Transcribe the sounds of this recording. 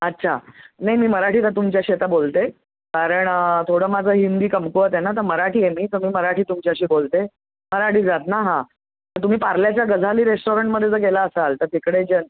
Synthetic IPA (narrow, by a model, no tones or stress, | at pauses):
ətːɕʰanajmiːməɾaʈʰiːt̪at̪umt͡ɕjaɕiːet̪abolt̪e | kaɾəɳt̪ʰoɽəːmad͡zʱəːɦind̪iːkəmkuʋət̪ɛnat̪̬əɾməɾaʈiːemiːt̪əɾmiːməɾaʈʰiːt̪umt͡ɕjaɕiːbolt̪e | məɾaʈʰiːd͡zat̪naɦã | t̪əɾt̪um̤iːpaɾljat͡ɕjaɡəd͡zʱaliːɾesʈoɾəɳʈməd̪ʱjed͡zəkelaəsalt̪əɾt̪ikɽed͡ʑən